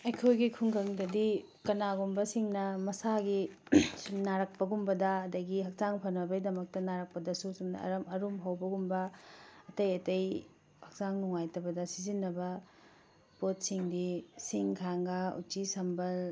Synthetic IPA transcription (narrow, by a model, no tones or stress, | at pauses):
ɐjkʰojɡikʰuŋkʰɐŋdɐdi | kɐnaɡumbɐsiŋnɐmɐsaɡisunaɾɐk̚pɐɡumbɐdɐːdɐɡiɦɐk̚t͡ʃaŋpʰɐnɐbɐidɐmɐk̚tɐnaɾɐk̚pɐdɐsusumnɐ̰ɐ̰ɾɐmɐɾumɦɐwbɐɡumbɐɐtɐjɐtɐj | hɐk̚zaŋnuŋajtɐbɐdɐsizinːɐbɐ | pot̚siŋdisiŋkʰaŋɡɐṵt͡ʃisɐmbɐl